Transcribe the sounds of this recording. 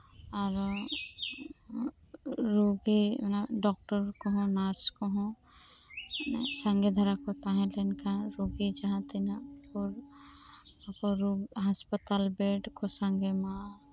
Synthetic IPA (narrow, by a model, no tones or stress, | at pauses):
ɔːɾ | ɾuɡinɖɔk̚ʈəɾkoɦõnaɾskoɦõ | nsãŋɡed̪ʱɐɾakot̪aɦẽlenkaɾuɡid͡ʒɐɦãt̪inapoɾ | poɾuɦaspət̪albeːɖkosə̃ŋɡemã